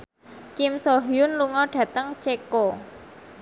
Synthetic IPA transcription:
kimsoɦijʊnluŋɔɖ̥ä̤t̪əŋt͡ʃeko

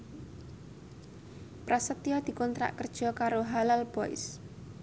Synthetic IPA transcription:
pɾasət̪iɔd̪̥i̤kɔnt̪ɾa̰ʔkərd̥ʒ̥ɔ̤kaɾoɦalalb̥ɔɪ̰s

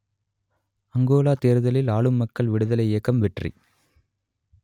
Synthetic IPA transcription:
ɐŋɡoːlaːt̪eːɾɯðɐlɪlaːɭɯmːɐkːɐɭʋɪɽɯðɐlɐɪeːkːɐmʋɛʈrḭ

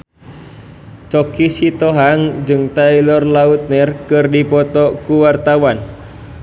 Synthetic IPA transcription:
t͡ʃɔkisit̪ɔɦaŋd͡ʒɨŋt̪ailɔrlaut̪̚nɛrkɨrdipɔt̪ɔkuwart̪awan

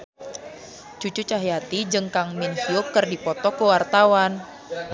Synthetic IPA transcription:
t͡ʃut͡ʃut͡ʃaɦiat̪id͡ʒəŋkaŋmɪnfiokərdipɔt̪ɔkəwart̪awan

